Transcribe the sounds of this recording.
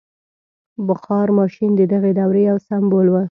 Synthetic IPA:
bəxɑɾmɑʃind̪əd̪aɣed̪awɾejawsambolwə

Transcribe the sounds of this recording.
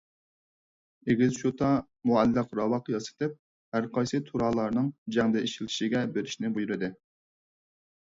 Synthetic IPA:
eɡʲizʃut̪ʰɑ | muælːɨqɾɑwɑqjɑsɨ̥t̪ɨp̚ | hæɾqʰɑjsɨt̪ʰuɾɑːlˠɑɾnɨŋd͡ʒɛŋd̪ɛiʃilʰi̥ʃiɡʲɛbeɾɪʃnɪbujuɾɨd̪ɪ

